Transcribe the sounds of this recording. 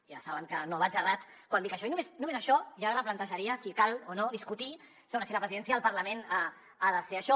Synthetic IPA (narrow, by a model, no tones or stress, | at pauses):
ja̰saβəŋkənoβad͡ʒarat̪ | kwand̪ikəʃɔinũmesnũmezəʃɔʒaɾəp̬lant̪əʒaɾiəsikalˠonoðiskut̪i | sownasilapɾəziðɛns̬jəðəlˠpɐɾlɐmena | aðəseaʃɔ